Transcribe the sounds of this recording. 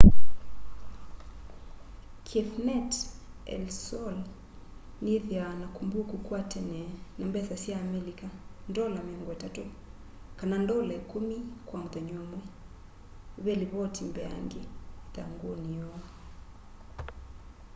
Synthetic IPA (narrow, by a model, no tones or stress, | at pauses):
kʰɛfnɛtɛ̰lsɔl | niðjanakumbukukuatɛnɛnambɛsasiaːmɛlikandɔlamiɔŋɡɔɛtatu | kanandɔlɛkumikwaŋðɔɲɔmwɛ | βɛliβɔtʰimbɛa̰ŋɡeða̰ŋɡunijɔ